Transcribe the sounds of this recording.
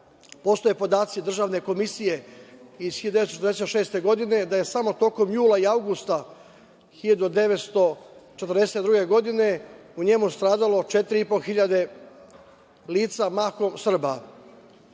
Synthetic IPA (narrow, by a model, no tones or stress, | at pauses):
po̞st̪ojepo̞d̪aːt̪sʲid̪r̩ʒaːʋne̞ko̞misijeiz̥xiʎd̪esot͡ʃet̪ɾd̪eset̪ʃeːst̪e̞ɡo̞d̪ine̞d̪aje̞samo̞t̪o̞ko̞mjuːlˠaiawɡust̪a | xiʎad̪ud̪e̞ʋet̪st̪o̞t͡ʃet̪ərd̪eset̪d̪ɾuɡe̞ɡo̞d̪ine̞uɲe̞must̪ɾaːd̪alo̞t͡ʃe̞t̪ɾiipo̞xiʎad̪e̞ | liːt̪samaːkomsr̩ba